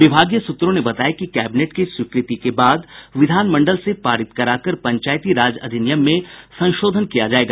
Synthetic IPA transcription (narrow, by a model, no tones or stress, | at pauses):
ʋɪbʱaːɡjəsʊt̪ːɾõnebɐt̪aːjakikɛːbɪneːʈkiswɪkɾɪt̪ikebaːd̪ʋɪd̪ʱaːnmɐ̃ɳɖəlsepaːɾɪt̪kɐɾaːkəɾpɐ̃ɲt͡ʃaːjt̪iɾaːd͡ʒɐ̰d̪ʱɪnɪjəmːẽsɐ̃nʃoːd̪ʱənkijad͡ʒaːeːɡaː